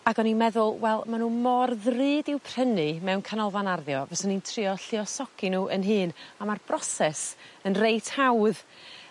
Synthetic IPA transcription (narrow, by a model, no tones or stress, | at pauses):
aɡɔnimɛðʊlˠwɛlˠmanuːmɔrðrɨːdɪwpʰr̥ənɨmɛwnkʰanɔlˠvanarðjɔvɛsənintʰrɪɔɬɪɔsɔkinuːʔənɦɨːnamarb̥rɔsɛsənrejtʰhawð